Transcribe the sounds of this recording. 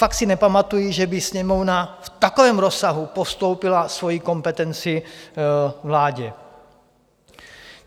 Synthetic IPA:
fak̚t̪sinɛpamat̪ujiʒɛbisɲɛmovnaft̪akovɛːmɾo̞sːaɦupost̪owpɪlasvo̞jiko̞mpɛt̪ɛnt͡sɪ | vlaːɟɛ

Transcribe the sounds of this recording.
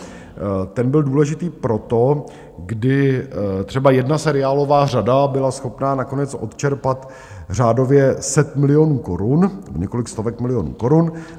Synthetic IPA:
t̪ɛnbɪlduːlɛʒɪt̪iːpɾo̞t̪o̞ | ɡdɪt̪r̝̥ɛbajɛdnasɛɾɪaːlo̞vaːradabɪlasxo̞pnaːnako̞nɛt͡sʔo̞̰t̪t͡ʃɛɾpat̪ | r̝aːdo̞vjɛsɛt̪mɪlɪjo̞nuːko̞ɾunnɛboɲɛko̞lɪkst̪ovɛkmɪlɪjonṵːko̞ɾun

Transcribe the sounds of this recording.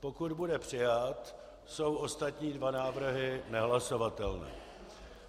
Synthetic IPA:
po̞kud̪budɛpr̝̥ɪjat̪ | so̞wo̞st̪at̪ɲiːdvanaːvr̩ɦɪnɛɦlaso̞vat̪ɛlnɛ̰ː

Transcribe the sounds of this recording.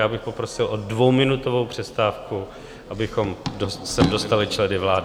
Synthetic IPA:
jaːbɪxpo̞pɾo̞sɪlʔodvo̞wmɪnut̪o̞vo̞wpr̝̥ɛst̪aːfku | ʔabɪxo̞mosɛmdo̞st̪alɪt͡ʃlɛdɪvlaːd

